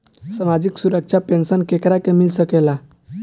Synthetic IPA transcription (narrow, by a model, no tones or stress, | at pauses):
səmad͡ʒiksuɾək̚t͡ʃʰapensənkekɾakemilsəkela